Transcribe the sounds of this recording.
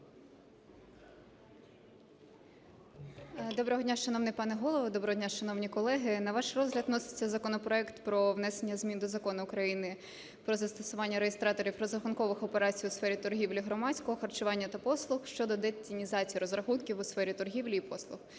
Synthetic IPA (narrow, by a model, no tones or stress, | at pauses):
d̪ɔbɾɔɦɔdʲnʲaʃɐnɔwnɪpɑnɛɦɔlˠɔʋɔd̪ɔbɾɔɦɔdʲnʲaʃɐnɔwnʲikɔlˠɛɦɪnɐʋɑʃrɔzɦlʲɐd̪nɔsɪ̥t͡sʲːɐzɐkɔnɔpɾɔɛkt̪pɾɔʋnɛsenʲːɐzmʲind̪ɔzɐkɔnʊʊkɾɐjinɪ | pɾɔzɐst̪ɔsʊʋɑnʲːɐɾejest̪ɾɑt̪ɔɾʲiwɾɔzɐxʊnkɔʋɪxɔpeɾɑt͡sʲijʊsfɛɾʲit̪ʊrɦʲiwlʲiɦɾɔmɑt͡sʲkɔɦɔxɐrt͡ʃʊʋɑnʲːɐt̪ɐpɔslˠʊxʃt͡ʃɔd̪ɔd̪ɛt͡sʲinʲizɑt͡sʲijiɾɔzɾɐxunkʲiwʊsfɛɾʲit̪ɔrɦʲiwlʲiːpɔslˠʊx